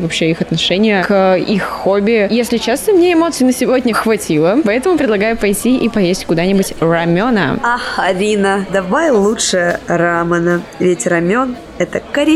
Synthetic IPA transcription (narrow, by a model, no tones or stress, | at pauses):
vɐpɕːeixɐt̪nɐʂɛnʲɪjəkixːobʲɪjesʲlʲɪt͡ɕast̪əmnʲeɪmo̞t̪sɨɪnəsʲɪvo̞dʲnʲəxvɐtʲilˠəpɐɛt̪əmʊpɾʲɪd̪lˠɐɡajʊpɐjtʲiʔipɐjesʲtʲkʊd̪anʲɪbʊtʲrɐmʲo̞nə̰ɐxɐɾʲinəd̪ɐvajlˠutʂɨjəɾamənəvʲɪtʲrɐmʲon | ɛt̪əkəɾʲɪ